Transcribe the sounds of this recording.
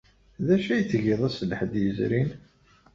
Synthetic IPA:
ðæʃæjət͡sːʝiðˤæsləħd̪jəzɾin

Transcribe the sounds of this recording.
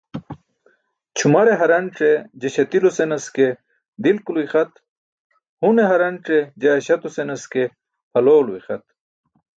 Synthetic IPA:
t͡ɕʰumaɾeɦɐɾɐɳʈ͡ʂed͡ʑeɕɐt̪ilosenɐske | d̪ilkuluiχɐt̪ | huneɦɐɾɐɳʈ͡ʂed͡ʑaːɕɐt̪osenɐske | hɐloːluixɐt̪̚

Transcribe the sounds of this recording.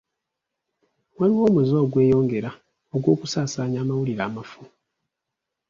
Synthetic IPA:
waliwo̞ːmezoːɡwe̞ːjo̞ːŋɡe̞ɾa | o̞ɡwo̞ːkusaːsaːɲaːmawuliɾaːmafu

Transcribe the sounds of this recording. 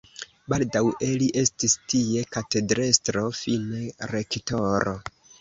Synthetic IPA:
baldawʔe̞liʔe̞stistie̞kate̞dɾestɾo̞fine̞ɾe̞kto̞ɾo

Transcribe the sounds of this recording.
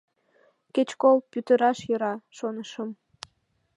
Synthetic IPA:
ket͡ɕkolpyt̪əɾɑʃjəɾɑʃonəʃəm

